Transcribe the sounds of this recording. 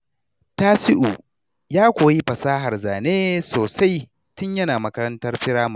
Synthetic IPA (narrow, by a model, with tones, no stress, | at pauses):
taː˦sɪ˦ʔu˨ | jaː˦kʷoː˨ji˦ɸɐ˨saː˦ɦa˨rzaː˨neː˦soː˨sa˦j | tʊ˦ɲjɐ˦naː˨mɐ˦kɐ˦ɾɐ˦ntɐ˦rɸɪ˦ɽaː˦ma˨